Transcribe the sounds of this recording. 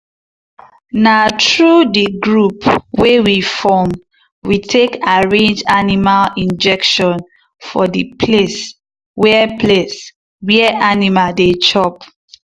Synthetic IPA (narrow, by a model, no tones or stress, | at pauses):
natɹudiɡɹupwewifɔm | witʰekaɹẽnd͡ʒanimalĩnd͡ʒɛkʃɔ̃n | fɔdipʰles | wɛples | wɛʔanimaldet͡ʃɔp